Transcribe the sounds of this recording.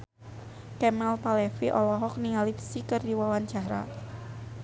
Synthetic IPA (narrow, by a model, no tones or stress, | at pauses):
kɛmɛlpalɛfiʔɔlɔɦɔk̚niŋalipsikərdiwawaɲt͡ʃaɾa̰